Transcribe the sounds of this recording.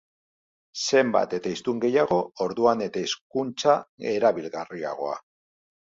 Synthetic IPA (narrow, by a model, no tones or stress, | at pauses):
se̞mba̰t̪e̞t̪aist̪uŋɡe̞jaɣ̞o̞ːɾðuane̞t̪aisk̚unt͡sae̞ɾaβilɣaria̰ɣ̞o̞a̰